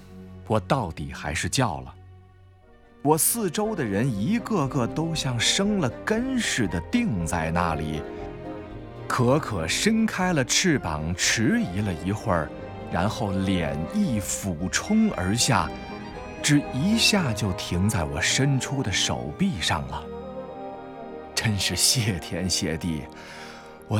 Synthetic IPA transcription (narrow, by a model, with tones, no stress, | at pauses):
wɔ˨˩t̪ɑ˥˩ʊt̪i˨˩xa˧˥ɪʂɻ̩˥˧t͡ɕjɑ˥˩ʊlə̰˩ | wɔ˨˩sɹ̩˥˩ʈ͡ʂo˥ʊd̪ə˨ɻə˧˥ni˧˥ɡɤ˥˧ɡɤ˥˧t̪o˥ʊɕjɑ˥˩ŋʂɤ˥ŋlə˨kə˥nʂɻ̩˥˩d̪ə˦t̪i˥˧ŋt͡sa˥˧ɪna̰˥˩lḭ˨˩˦ | kʰɤ˧˥kʰɤ˨˩ʂə˥nkʰa˥ɪlə˨ʈ͡ʂʰɻ̩˥˩pɑ̰˨˩ŋʈ͡ʂ̩ʰ˧˥i˧˥lə˧i˧˥xwə̰˞˥˩ | ɻa̰˧˥nxo˥˩ʊljɛ̰˨˩ni˥˩fu˨˩ʈ͡ʂʰʊ˥ŋə̰˞˧˥ɕja̰˥˩ | ʈ͡ʂɻ̩˥˩i˧˥ɕja˥˩t͡ɕjo˥˩ʊt̪ʰi˧˥ŋt͡sa˥˩ɪwɔ̰˨˩ʂə˥nʈ͡ʂʰu˥d̪ə˨ʂo̰˨˩ʊpi˥˧ʂɑ̰˥˩ŋlə˩ | ʈ͡ʂə˥nʂɻ̩˥˩ɕjɛ˥˩t̪ʰjɛ˧˥nɕjɛ̰˥˧t̪ḭ˥˩ | wɔ˨˩